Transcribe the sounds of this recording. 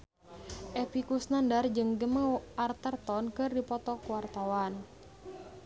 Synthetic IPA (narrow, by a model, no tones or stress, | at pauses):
ʔɛpikusnandard͡ʒɨŋɡəməart̪ərt̪ɔnkɨrdipɔt̪ɔkuwart̪awan